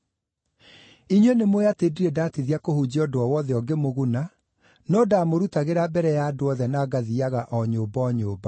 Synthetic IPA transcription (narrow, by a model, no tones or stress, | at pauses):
iɲwɛnemoatediɾedaːtiðiakohud͡ʑiɔdoɔwɔðɛɔɡemoɣuna | nɔdamoɾutaɣeɾabɛɾɛjaːdoɔðɛnaɡaðiaɣaʔɔɲoːbɔɲoːba